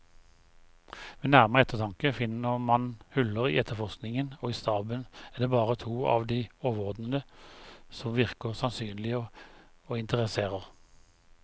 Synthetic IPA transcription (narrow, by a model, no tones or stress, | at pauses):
mɛnæʁməʁəɛt̪əʁt̪ʰɑŋkəfɪnəʁmɑnhʉləʁḭːɛt̪ʰːəʁfɔʁsknɪŋənoːiːst̪ɑːbənɛːʁd̪eːbɑːʁət̪ʰuːɑ̰ːʋd̪iːoːʋəʁɔd̪nənə | sɔmʋɪʁkəʁsɑnsyːnlɪəoːɪnt̪əʁəseːʁəʁ